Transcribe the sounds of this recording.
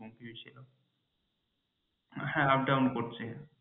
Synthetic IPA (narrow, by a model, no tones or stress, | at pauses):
oŋkibit͡ɕʰilo | hɛ̃ap̚ɖawnkoɾt͡ɕʰe